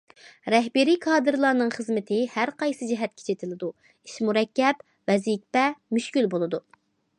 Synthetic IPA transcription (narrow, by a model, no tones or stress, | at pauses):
ɾɛɦbɪɾikʰɑːd̪ɨɾlˠɑɾnɨŋχəzmɪt̪ʰɪhæɾqɑjsɨd͡ʒɪɦɛt̪̚kʲʰe̥t͡ʃʰet̪ʰɪlɪd̪u | iʃmuɾɛkʲːɛp | vɛzikʲpɛmyʃkʲylbolˠɨd̪u